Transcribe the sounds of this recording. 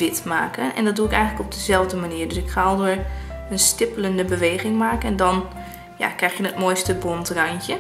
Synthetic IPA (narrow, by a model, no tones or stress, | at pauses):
ʋɪtmaːkənɛ̰ndɔt̚duɪkɛjɣənləkɔb̚dəzɛlˠvdəmaniːəɹdøsɪkχaɔlˠdʊːɹənstɪpələndəbəʋeːɣɪŋmaːkənɛndɔn | ja̰krɛxjənət̚mojstəbontrajntjə